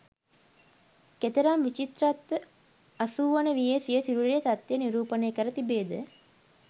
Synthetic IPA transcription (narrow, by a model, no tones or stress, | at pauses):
ket̪əɾamʋit͡ʃit̪rat̪ːə | asuːʋanəʋijəsijəsiɾuɾejət̪at̪ːeəniɾuːpəneːkəɾət̪ibeːd̪ə